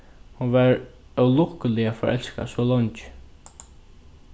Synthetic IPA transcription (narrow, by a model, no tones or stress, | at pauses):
hʊʋɛɹœwlʊkəlɪafɔɹʔɛ̰lska̰soːlɔɲt͡ʃ